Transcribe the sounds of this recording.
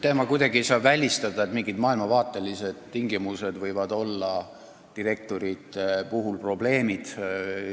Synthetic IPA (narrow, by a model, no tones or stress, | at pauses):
t̪eːmɑkujd̪ɑɡie̞jsɑːbvælʲist̪ɑd̪ɑe̞t̪miŋɡid̪mɑːilmɑvɑːt̪ːˑe̞lise̞d̪̥t̪iŋɡimuse̞d̪vɤjvɑd̪o̞lːɑ | t̪iɾe̞k̚t̪o̞ɾit̪epuɦulpro̞ble̞ːmid̪̥